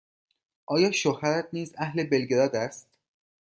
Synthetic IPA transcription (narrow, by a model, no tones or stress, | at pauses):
ʔɒːjɒːʃohæɾæt̪̚ʰniːzæhle̞be̞lɟe̞ɾɒːd̪æst̪